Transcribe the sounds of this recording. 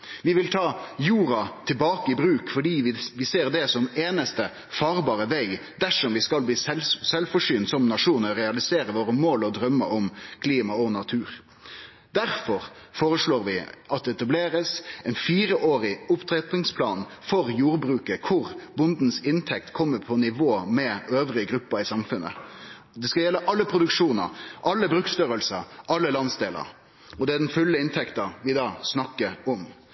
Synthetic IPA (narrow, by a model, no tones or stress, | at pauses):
ʋɪʋɪlt̪ʰɑːjuːɾɑt̪ʰɪlbɑːkəɪbɾʉːkfɔɖiːʋɪʋɪseːʁd̪ɛsɔmeːnəst̪ə | fɑːʁbɑːɾəʋeɪɡd̪æʂɔmʋɪskɑlbliːsɛlsɛlfɔʂyːnt̪sɔmnɑʂuːnəʁɛɑlɪseːɾəʋoːɾəmoːlɔd̪ɾœmːəʔɔmkʰliːmɑɔnɑt̪ʰʉːɾ | d̪æɾfɔɾ | foːɾəsloːɾʋɪʔɑt̪̚d̪ɛɛt̪ɑbleːɾəsɛnfiːɾəʔoːɾɪʊpt̪ʰɾɛt̪ɪŋspʰlɑːn | fɔʁjuːɾbɾʉːkəkʰʊʁbʊnd̪n̩sɪnt̪ʰɛk̚t̪kʰɔmːəpʰɔnɪʋoːmɛøːʋɾɪəɡɾʉpːəɪsɑmfʉnːə̰ | d̪ɛskɑljɛlːəʔɑlːəpʰɾʊd̪ʉkʂuːnə̰ʔɑlːəbɾʉkst̪œɾəlsəʔɑlːəlɑnsd̪eːlə̰ɾ | ɔd̪ɛæd̪ɛnfʉlːəɪnt̪ʰɛkt̪ɑʋɪd̪ɑːsnɑkːəɾɔm